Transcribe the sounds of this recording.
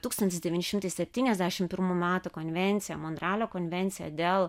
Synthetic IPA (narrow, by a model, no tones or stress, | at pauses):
t̪uːkst̪ɐnt̪ʲɪsd̪ʲɛʋʲiːnʲɪʃʲɪmt̪ɐɪsʲɛpʲt̪ʲiːnʲɛzʲd̪ʲæːʃʲɪmpʲɪɾmumʲæːt̪ukonʲʋʲɛnʲt̪sʲɪjɛmɔnd̪ɾɑːlʲoːkɔnʲʋʲɛnʲt̪sʲɪjɛ̰d̪ʲeːlˠ